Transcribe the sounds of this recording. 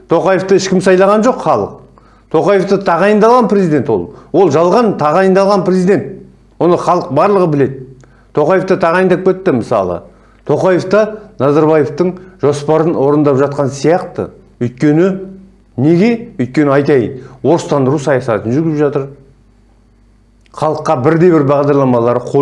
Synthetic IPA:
t̪ʰo̞qɑjeft̪əɪʃkʲɪmsɑjlˠɑʁɑnʒo̞qχɑlˠəq | t̪ʰo̞qɑje̞ft̪ət̪ʰɑʁɑjənd̪ɑlˠʁɑnprezijd̪e̞nt̪wo̞̰lˠwo̞lˠʒɑlˠʁɑnt̪ʰɑʁɑjənd̪ɑlˠʁɑnprezijd̪e̞nt̪ | wo̞nəχɑlˠəq̚bɑɾlˠəʁəbɪle̞d̪ɪ | t̪ʰo̞qɑje̞ft̪ət̪ʰɑʁɑjənd̪ɑp̚kʲe̞t̪ːɪməsɑ̰lˠə̰ | t̪ʰo̞qɑje̞ft̪ɑnɑzɑɾbɑje̞ft̪əɴʒo̞spɑɾənwo̞ɾənd̪ɑpʒɑt̪̚qɑnsijɑqt̪ə̰ | ʏjt̪̚kʲe̞nɪ | ne̞ɡʲe̞ʏjt̪̚kʲe̞nɪɑjt̪ɑjnwo̞ɾəst̪ɑnd̪əɾusɑjɑsɑt̪ənʒʏɡʲɪpʒɑt̪əɾ | χɑlˠəqːɑbɪɾd̪e̞jbɪɾbɑʁd̪ɑɾlˠɑmɑlˠɑɾəqʰo

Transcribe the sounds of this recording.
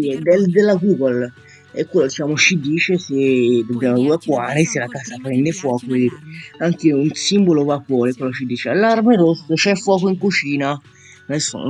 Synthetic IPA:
id̪eld̪elːaɡuːɡol | ɛkːwelːod̪it͡ʃaːmot͡ʃid̪iːt͡ʃesed̪elːaɡuakːwaːnɪselakaːsapɾɛnd̪efwɔːkoved̪iːɾeaŋkeunsimbolovapːwɔːɾɛkwelːot͡ʃid̪iːt͡ʃealːarmeɾosːət͡ʃɛfːwɔːkoiŋkut͡ʃiːna | nɛsṵn

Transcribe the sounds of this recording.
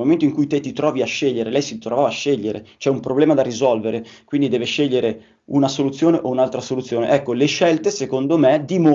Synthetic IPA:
moment̪oiŋkujt̪et̪ːit̪ɾɔːviaʃːeʎːeɾelɛjsit̪ɾovaːvaːʃːeʎːeɾet͡ʃɛumpɾoblɛːmad̪arizɔlveɾekwind̪id̪ɛːveʃeʎːeɾe | unasolut̪sːjoːneʔounalt̪ɾasolut̪sːjoːnḛʔɛkːoleʃɛlt̪esekond̪omed̪imo

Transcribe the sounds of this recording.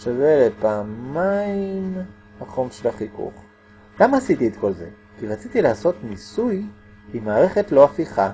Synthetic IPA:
ʃavelepaːmaim | haχomʃelaχikṵχ | lamaːsit̪iet̪ko̞lze̞̰ | kiʁat͡sit̪ileaso̞t̪nisuj | imaːʁe̞χet̪lo̞afiχa

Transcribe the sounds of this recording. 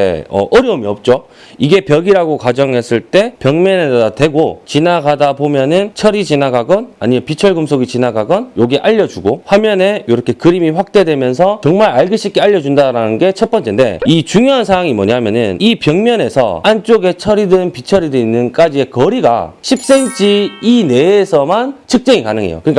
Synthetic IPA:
ḛʌ̰ʔʌɾjʌumiʌp̚t͡ɕ͈o | iɡe̞pjʌɡiɾaɡokad͡ʑʌŋɦe̞s͈ɯɭt͈e̞pjʌŋmjʌnedatwe̞ɡot͡ɕinaɡadabomjʌnɯnt͡ɕʰʌɾid͡ʑinaɡaɡʌnaɲimepit͡ɕʰʌɭɡɯmsʰoɡit͡ɕinaɡaɡʌnjoɡiʔaʎːʌd͡ʑuɡoɸwamjʌne̞joɾʌkʰe̞kɯɾimiɸwak̚t͈e̞dwe̞mjʌns̬ʰʌt͡ɕʌŋmaɾaɭɡɯɕ͈ʰipk͈eaʎːʌd͡ʑundaɾanɯnɡe̞t͡ɕʰʌt̚p͈ʌnt͡ɕ͈ende̞̰it͡ɕuŋjoɦansʰawaŋimwʌ̰ɲaɦmjʌnɯnipjʌŋmjʌne̞sʰʌ̰ant͡ɕ͈oɡe̞t͡ɕʰʌɾidɯnpit͡ɕʰʌɾidoinːɯnk͈ad͡ʑie̞kʌɾiɡa̰ɕʰip̚s͈e̞ŋt͡ɕ͈ʰiine̞ːsʰʌmant͡ɕʰɯk̚t͡ɕ͈ʌŋikanɯŋe̞̰jo̰kɯɲik͈a

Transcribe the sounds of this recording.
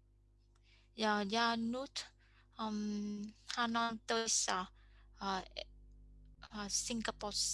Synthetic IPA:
jajanut̪ | mhanant̪əisa | siŋɡapɔs

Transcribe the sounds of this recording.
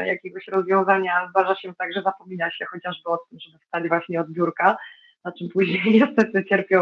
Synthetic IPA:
jakʲɛɡɔɕɾɔzvʲjɔ̃w̃zaɲazd̪aʐaɕɛt̪aɡʐɛzapɔmʲinaɕɛxɔt͡ɕaʐbɘɔt̪ːɘmʐɛbɘfst̪ad͡ʑvwaɕɲɛɔd̪bʲjuɾka | nat͡ʂɘmpuʑɲejɲɛst̪ɛt̪ɘt͡ɕɛɾpʲjɔ̃

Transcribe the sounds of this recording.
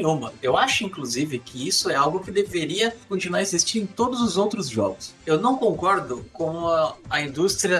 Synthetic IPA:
ũmɐewaʃʊĩkluzivɪkʰɪisʊɛawɡʊkɪd̪eveɾiɐkõt͡ʃinuaɾezist͡ʃĩnd̪ẽt̪od̪ʊzʊzowt̪ɾʊzʒɔ̰ɡʊsewnɐ̃w̃kõŋkɔɾd̪ʊkõɐĩd̪ust̪ɾiɐ

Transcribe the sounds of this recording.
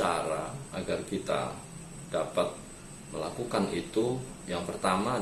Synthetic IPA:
aɾaaɡarkit̪a̰ | d̥apat̪̚ | məlakukanit̪u | jaŋpərt̪ama

